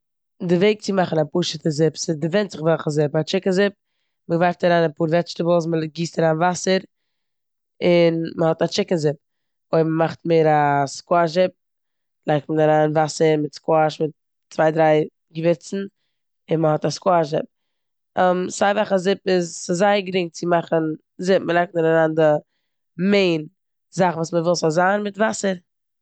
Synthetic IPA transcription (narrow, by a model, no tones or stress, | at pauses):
dɪveɪk̚t͡sɪmaχn̩apuːʃətəzɪpsɪdɪvɛntzɪχvɛlˠχəzɪpat͡ʃɪkənzɪp̚ | məɡvaɪftaɾaːnapuːɾvɛt͡ʃtəbl̩ˠs̬məɡiːstaɾaːnvasəɾ | ɪnməhɔtat͡ʃɪkənzɪp̚ | oɪməmaχtmeːɾaskoaʒɪp̚ | lˠaɪk̚tmənaɾaːnvasəɾmɪtskoaʃmɪt̚ː | t͡svaɪdɾaɪ | ɡəvɪɾt͡sn̩ | ɪnməhɔtaskoaʒɪp̚ | ɛmsaɪvaχazɪpɪzsɪzaɪəɡɾɪŋt͡sɪmaχən | zɪp̚məlˠaɪk̚tnəɾaɾaːndɪ | meɪn | zaχvuːsməvɪlˠsɔzaːnmɪtvasəɾ